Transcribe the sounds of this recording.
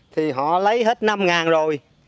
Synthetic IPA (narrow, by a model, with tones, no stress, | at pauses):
t̪ʰi˨˩ɦɔ̰˧˨lə˨˦jɦe˦˥t̚na˧mŋaː˨˩nzo˨˩j